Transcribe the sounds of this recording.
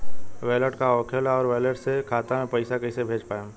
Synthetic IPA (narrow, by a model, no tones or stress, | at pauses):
ʋɛːləʈkaɔːkʰəlɔːɾʋɛːləʈsekʰaːt̪amẽpɐɪsakɐɪsebʱeːd͡ʒpaːjẽ